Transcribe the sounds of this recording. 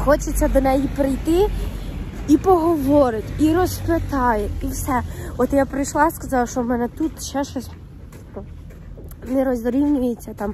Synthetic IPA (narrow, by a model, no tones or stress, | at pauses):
xɔt͡ʃɪt͡sʲːɐd̪ɔnɛjipɾɪjt̪ɪ | ipɔɦɔʋɔɾɪt̪ʲiɾɔsplʲɐt̪ɑjeiwsɛɔt̪japɾɪjʃlˠɑskɐzɑwʃɔmɛnɛt̪ut̪ʃɛʃɔsʲ | nɪɾɔzɾʲiwnʲʊjet͡sʲːɐt̪am